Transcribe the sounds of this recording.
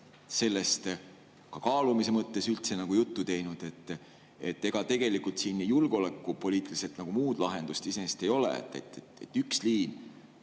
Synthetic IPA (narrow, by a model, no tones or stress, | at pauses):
se̞lːe̞st̪ | kɑkɑːlumise̞mɤt̪ːe̞sylt̪se̞nɑɡ̥ujut̪ːut̪e̞jnud̪̥e̞t̪ː | e̞t̪ːe̞ɡ̥ɑt̪e̞ɡ̥e̞likːult̪siːnːijulɡ̥o̞lekːupo̞liːt̪ːˑilise̞lt̪nɑɡ̥umuːd̪̥lɑɦe̞nd̪̥ust̪iseest̪e̞jo̞lḛḛt̪ːˑḛt̪ːe | et̪ːˑyksliːn